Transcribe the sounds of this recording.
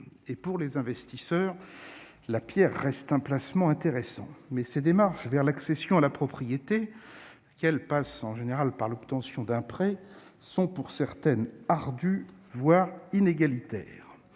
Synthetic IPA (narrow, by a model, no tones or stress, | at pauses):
epuʁlezɛ̃vɛst̪isœːʁ | lapjɛʁːɛst̪ɛ̃plasmɑ̃ɛ̃t̪eʁesɑ̰̃mɛsed̪emaʁʃvɛʁlaksesjɔ̃alapχɔpχijet̪e | kɛlpasɑ̃ʒeneʁalpaʁlɔpt̪ɑ̃sjɔ̃d̪ɛ̃pχɛsɔ̃puʁsɛʁt̪ɛnaʁd̪yvwaʁineɡalit̪ɛ̰ːʁ